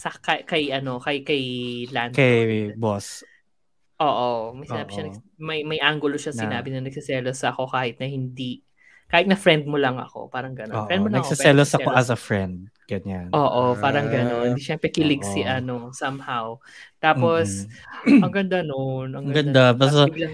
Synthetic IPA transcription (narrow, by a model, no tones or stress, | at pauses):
sɐkɐkɐjʔɐno̞kɐjkɐjlankɐjbos | ʔoːʔomɐjsɪnaːbɪʃɐnɐmɐjmɐjʔaŋɡʊloʃɐsɪnaːbɪnɐnɐɡ̥̚sɪsɛːlosɐɐko̞kaːhɪt̪̚nɐhɪnd̪i | kaːhɪt̪̚nɐfɹɛnd̪̚molɐŋɐ̰ko̞̰paːɾɐŋɡɐno̰fɛ̃nd̪̚molɐnɐɡŋoɪsɛlosɐkoɐsɐfɹɛnd̪̚ɡ̥ɐɲanʔoːʔopaːɾɐŋɡɐno̞nhɪnd̪iʃɛmpɾɛkɪlɪɡsɪʔɐnosɐmhaw | t̪aːposɐŋɡɐnd̪anonʔɐŋɐɡɐnd̪apɛsolɐ